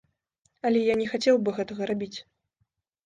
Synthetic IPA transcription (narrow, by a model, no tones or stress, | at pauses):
ɐlʲɛjanʲɛxat͡sʲɛwbɨɣɛt̪ɐɣɐɾabʲit͡sʲ